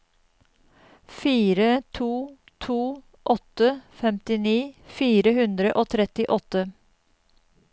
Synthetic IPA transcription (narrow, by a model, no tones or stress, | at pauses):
fiːɾət̪ʰuː | t̪ʰuː | ʔɔt̪əfɛmt̪ɪniːfiːɾəhʉnd̪ɾəʔoːt̪ʰɾɛt̪ɪʔɔt̪ə